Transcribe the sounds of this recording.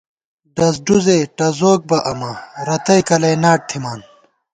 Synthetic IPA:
ɖɐs̬ɖuzeʈɐzoːk̚bɐʔɐmɐɾɐt̪ɐjkɐlɐjnaːʈ̚t̪ʰimaːn

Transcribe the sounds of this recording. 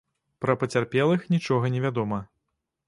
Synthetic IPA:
pɾɐpɐt͡sʲarpʲɛlˠɨxnʲit͡ʂɔɣɐnʲɛvʲad̪ɔmɐ

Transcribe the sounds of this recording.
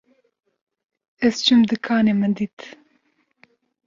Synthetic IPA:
ɛst͡ʃʰumd̪ɨkʰɑːneːmɨd̪it̪

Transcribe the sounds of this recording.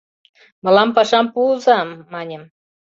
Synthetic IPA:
mɤ̆lɑmpɑʃɑmpuzɑmːɑnʲem

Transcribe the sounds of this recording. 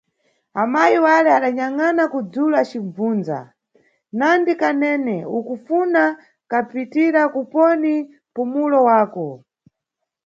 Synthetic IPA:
amajiwalɛaɗaɲaŋanakud͡zulat͡ʃiɱvuːnd͡za̰ | nandikanɛnɛukufuna | kapitiɾakupɔni | pumulɔwaːkɔ

